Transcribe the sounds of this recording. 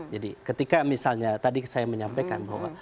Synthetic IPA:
d͡ʒadikət̪ikamisalɲat̪adisajaməɲampekanbahwa̰

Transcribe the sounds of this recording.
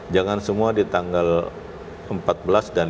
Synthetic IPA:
d͡ʒaŋansəmuadit̪aŋɡal | əmpat̪̚bəlasdan

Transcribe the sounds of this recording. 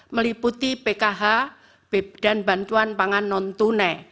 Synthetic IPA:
məliput̪ipekaɦa | b̥eb̚d̥a̤nbant̪uanpaŋanːɔnt̪une

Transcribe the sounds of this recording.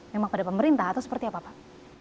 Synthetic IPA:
memaŋpadapəməɾint̪ahat̪usə̥pərt̪iapaːpa

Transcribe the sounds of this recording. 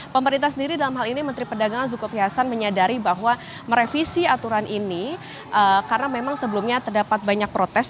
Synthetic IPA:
pəməɾint̪ahs̬əndiɾidalamɦalinimənt̪ɾipədaɡaŋanzukofiɦasanməɲadaɾibaɦwa | məɾefisiat̪uɾanʔini | ʔəkaɾənamemaŋsəbəlumɲat̪ərdapat̪̚baɲak̚pɾot̪ɛs

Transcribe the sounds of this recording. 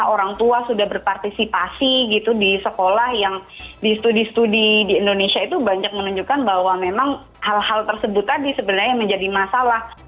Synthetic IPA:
oɾaŋt̪uasudahbərpart̪isipasiɡit̪udisəkolahjaŋ | dist̪udist̪udidiːndonesiait̪ubaɲak̚mənuɲd͡ʒukanbahwamemaŋ | halhalt̪ərsəbʊt̪ːadisəbənarɲaməɲd͡ʒadimasalah

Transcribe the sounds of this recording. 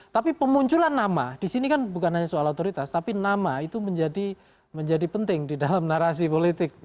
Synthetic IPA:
t̪apipəmuɲt͡ʃulanːamadisinikanbukanɦaɲasualot̪oɾit̪ast̪apinamait̪uməɲd͡ʒadi | məɲd͡ʒadipənt̪ɪŋdidalamnaɾas̬ipolit̪ɪk̚

